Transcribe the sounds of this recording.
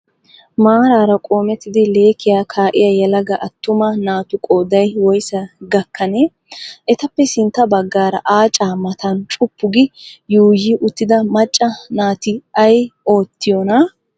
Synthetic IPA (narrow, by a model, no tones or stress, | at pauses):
maːɾaːɾɐkʼo̞ːmɛt̪ːɪd̪ɪle̞ːkɪjaːkʰaːʔɪjɐjɛlɐɡɐʔɐt̪ːʊmɐnaːt̪ʊkʼoːd̪ɐjwɔjsɐɡɐkʰːɐne | ʔɛt̪ɐpːɛsɪnt̪ːɐbɐɡːaːɾɐ̰ʔaːt͡ʃʼaːmɐt̪ʰɐnt͡ʃʼʊpːʊɡɪjuːjɪʔʊt̪ːɪd̪ɐmɐt͡ʃʼːɐnaːt̪ɪɐjo̞ːt̪ːɪjɔnɐ